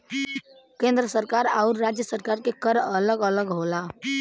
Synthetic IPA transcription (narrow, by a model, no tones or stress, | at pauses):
kẽnd̪ɾəsəɾkaɾaʊɾːad͡ʒjəsəɾkaɾkekəɾələɡələɡɦola